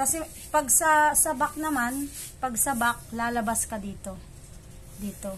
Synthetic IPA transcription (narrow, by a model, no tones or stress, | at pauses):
kɐsɛ | pɐɡ̚sɐsɐbak̚nɐman | pɐɡsɐbak̚laːlɐbaskɐd̪iːt̪o̞ | d̪iːt̪o̞